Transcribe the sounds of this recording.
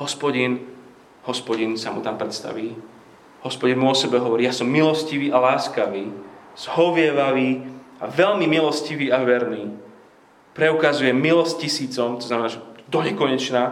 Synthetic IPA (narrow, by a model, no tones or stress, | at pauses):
ɦɔspɔɟin | ɦɔspɔɟinsamṵt̪ampɾɛt̪st̪a̰ʋiː | hɔspɔɟinmuɔsɛbɛɦɔʋɔɾiːjaːsɔmːilɔsciʋiːʔalaːskaʋiːz̥hɔʋɪɛʋaʋiːaʋɛlmimilɔsciʋiːaʋɛɾniː | pɾɛukazujɛmilɔscisiːt͡sɔmt̪ɔ̥znamɛnaːʒɛd̪ɔɲɛkɔɲɛt͡ʃnaː